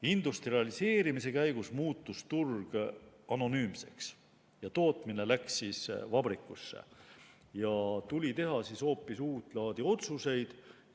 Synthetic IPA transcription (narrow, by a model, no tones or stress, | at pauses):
ind̪ust̪riɑlise̞ːɾimise̞kæjɡ̥usmuːt̪ːust̪urɡ̥ɑno̞nyːmse̞̰ks | jɑt̪o̞ːt̪ˑmine̞læksisvɑb̥rikːˑusːḛ | jɑt̪ulʲit̪e̞ɦɑsiso̞ːpːˑisuːt̪ˑlɑːd̪̥io̞t̪suse̞jd̪̥